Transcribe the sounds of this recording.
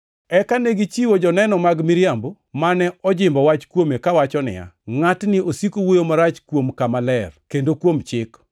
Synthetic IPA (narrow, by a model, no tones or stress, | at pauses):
ɛkaneɡit͡ʃiwod͡ʒɔnɛnɔmaɡmiɾjambo | manɛɔd͡ʒɪmbɔwat͡ʃkwomekawat͡ʃɔnɪ̰ja̰ŋatnɪosikowojomaɾat͡ʃkwomkamalɛrkendokwomt͡ʃɪk